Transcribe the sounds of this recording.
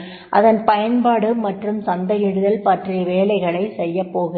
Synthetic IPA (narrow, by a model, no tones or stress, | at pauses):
ʔɐ̰ðɐnpɐjɐnpaːɽɯmɐʈrɯmsɐnd̪ɐjɪɽɯðɐlpaːʈrijɐʋeːlɐɪɣɐɭɐɪsɛjːɐpːoːɣɯ